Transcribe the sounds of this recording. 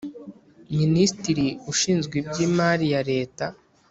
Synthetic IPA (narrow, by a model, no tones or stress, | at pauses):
ministiɾiuʃiːnzɡwibɟiːmaːɾijaɾe̞ːta